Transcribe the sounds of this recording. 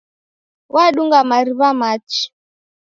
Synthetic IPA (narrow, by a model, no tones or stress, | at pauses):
wʔaɗuŋɡamaɾiβamat͡ʃi̥